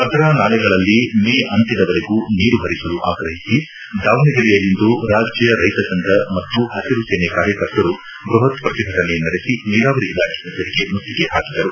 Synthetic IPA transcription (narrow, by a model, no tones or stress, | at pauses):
ɐd̪ɾaːnaːlɛɡɐɭɐlːimeːʔɐnt̪id̪ɐʋɐɾeɡuniːɾuɦɐɾisɐluʔaːkɾɐɦisi | d̪aːʋnɐɡɐɾijɐlːind̪uɾaːd͡ʒjɐjɐɾɐjt̪ɐsɐnd̪ɐmɐt̪ːuhɐsiɾuseːnekaːɾjɐkɐɾt̪ɐɾu | bɾuɦɐt̪pɾɐt̪iɡʱɐʈɐnenɐɾesiniːɾaːʋɐɾiilaːkʰenɐt̪ɐɾiɡemnust̪ikeɦaːkid̪ɐɾu